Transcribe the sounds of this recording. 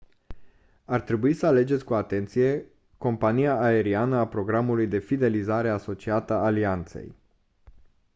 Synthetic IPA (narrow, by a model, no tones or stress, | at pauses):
art̪ɾe̞buisəale̞d͡ʒet̪sʲkuat̪e̞nt̪sije̞ | ko̞mpanijaʔːe̞ɾianəapɾo̞ɡɾamulujd̪e̞fid̪e̞lizaɾe̞aso̞t͡ʃiat̪əːliant̪se̞̰j